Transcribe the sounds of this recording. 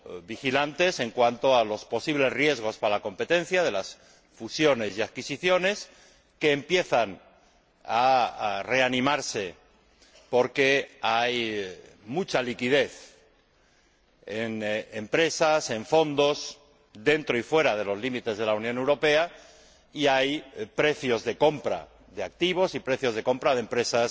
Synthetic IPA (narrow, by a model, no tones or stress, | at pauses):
bixilant̪e̞se̞ŋkwant̪oalo̞spo̞siβle̞zrje̞zɣ̞o̞spaalako̞mpe̞t̪ẽ̞n̟θjaðe̞las | fusjo̞ne̞siaðkisiθjo̞ne̞s | ke̞ːmpje̞θan | are̞anĩmaɾse̞ | po̞ɾke̞aj | mut͡ʃalikiðe̞θ | enempɾe̞sase̞ɱfo̞nd̪o̞s | d̪e̞nt̪ɾo̞ifwe̞ɾað̞e̞lo̞zlimit̪e̞zð̞e̞launjõne̞wɾo̞pe̞a | iajpɾe̞θjo̞zðe̞ko̞mpɾa̰ | ðe̞ak̚t̪iβ̞o̞sipɾe̞θjo̞zðe̞ko̞mpɾaðempɾe̞sas